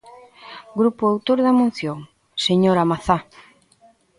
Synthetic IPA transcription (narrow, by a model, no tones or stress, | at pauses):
ɡɾupʊawt̪oɾðamũn̟θjoŋ | seɲoɾamaθa